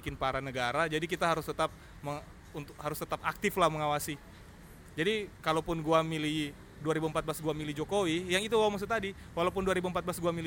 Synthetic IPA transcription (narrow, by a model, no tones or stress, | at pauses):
kɪnpaɾanəɡaɾad͡ʒadikit̪aɦaɾʊst̪ət̪ap̚ | məŋ | unt̪ʊkhaɾʊst̪ət̪apak̚t̪ɪflahməŋawasi | d͡ʒadikalawpʊnɡuamili | duaɾibuəmpat̪̚blasɡuamilid͡ʒokowijaŋit̪uwawamasut̪adiwalaupʊnduaɾibuəmpat̪̚blasɡuamili